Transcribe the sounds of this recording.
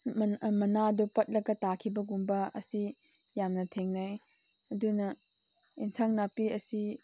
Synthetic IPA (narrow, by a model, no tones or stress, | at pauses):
mmɐnadɔpɐt̚lɐɡɐtakʰibɐɡumbɐɐ̰si | jamnɐtʰeŋnaj | ɐdunɐ | insʰaŋnapiɐsi